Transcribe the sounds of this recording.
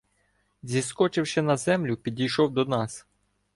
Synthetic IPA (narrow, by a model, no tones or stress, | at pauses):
zʲiskɔt͡ʃɪwʃɛnɐzɛmlʲʊpʲidʲijʃɔwd̪ɔnɑs